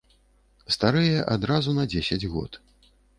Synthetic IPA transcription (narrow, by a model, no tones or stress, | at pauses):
st̪aɾɨjɐʔad̪ɾazunɐd͡zʲesʲɐd͡zʲɣɔ̰t̪